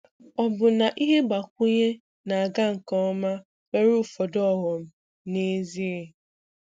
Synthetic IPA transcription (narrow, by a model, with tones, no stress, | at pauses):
ɔ˨bʊ˨na˨ʔi˦ɦe˦ɡ͡ba˨k̚ʷʊ˦ɲe˦ | na˨a˨ɡa˦ŋ̩˨kɔ˦ɔ˦ma˦ | we˦ɾʊ˦fɔ˨dɔ˦˨ɦɔ˨m̩˦ | ne˦zi˦e˨